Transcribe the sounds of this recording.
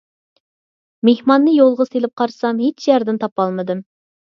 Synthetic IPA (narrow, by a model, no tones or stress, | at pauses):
mehmɑnːɨjolˠʁɑselɪp̚qʰɑɾsɑmɦet͡ʃjɛɾd̪ɪnt̪ʰɑpɑlˠmɨd̪ɨm